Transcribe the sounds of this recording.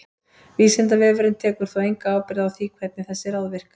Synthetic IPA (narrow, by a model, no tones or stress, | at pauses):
viːsɛnt̪avɛːvɛɾɪnt̪ʰɛːkʏɾ̥θawejŋkaaːwpɪɾðawθiːkʰvɛt̪nɪθɛsːɪɾaðvɪr̥k